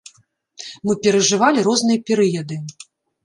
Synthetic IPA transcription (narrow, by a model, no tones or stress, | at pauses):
mɨpʲɛɾɐʐɨvalʲiɾɔznɨjɐpʲɛɾɨjɐd̪ɨ